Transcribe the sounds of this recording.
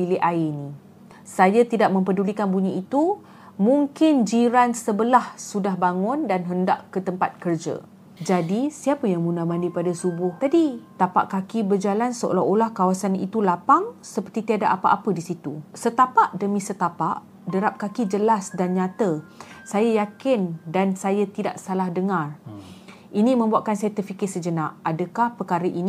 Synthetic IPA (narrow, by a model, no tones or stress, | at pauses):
pilɪʔainĩ | sajat̪idaʔ̚mə̃mpədulikanbuɲəit̪u | mũŋkɪnd͡ʒiɾansəbəlahsudaɦbaŋʊndanɦəndaʔkət̪əmpat̪̚kərd͡ʒa̰ | d͡ʒadisiapəjaŋmunamãndipadasubʊht̪adit̪apa̰ʔkakibərd͡ʒalansəʔo̰laɦolahkawasanḭt̪ulapaŋsəpərt̪it̪iadaʔapaʔapədisit̪usət̪apaʔdəmĩsət̪apaʔ | dəɾap̚kakid͡ʒəlasdanɲãt̪əsajajakɪndansajat̪ida̰ʔsalahdəŋãr | ʔinĩmə̃mbuaʔkansajat̪ərfikɪsəd͡ʒənaʔadəkahpəkaɾəʔin